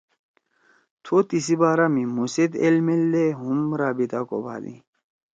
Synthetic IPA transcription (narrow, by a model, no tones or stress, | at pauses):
t̪ʰot̪isibaːɾamimused̪elmelːeɦumɾabit̪ako̰ba̰d̪ḭ̃